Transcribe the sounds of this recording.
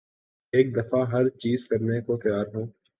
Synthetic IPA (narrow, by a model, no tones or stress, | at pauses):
eːk̚d̪ɐfaɦɐɾt͡ʃiːzkɐɾnekot̪jaːɾɦũː